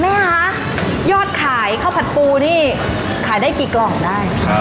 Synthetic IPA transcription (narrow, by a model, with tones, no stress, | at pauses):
mɛː˥˩ka˦˥ | jɔː˥˩t̪̚kʰaː˩˦jkʰpʰa˥˩wpʰa˨˩t̪̚puː˧niː˥˩ | kʰaː˩˦jdaː˥˩jkiː˨˩klɔː˨˩ŋdaː˥˩j